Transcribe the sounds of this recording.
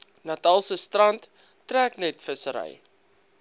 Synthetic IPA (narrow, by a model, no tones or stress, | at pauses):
nɐtɐlˠsəstrɐntː | ræːknɛtfəsəɾə̰j